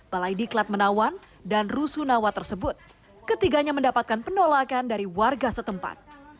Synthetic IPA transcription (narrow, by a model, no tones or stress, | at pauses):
b̥alajdiklat̪̚mənawan | danrusunawat̪ərsəbʊt̪̚ | kət̪iɡaɲaməndapat̪̚kanpənolakandaɾiwarɡasət̪əmpa̰t̪̚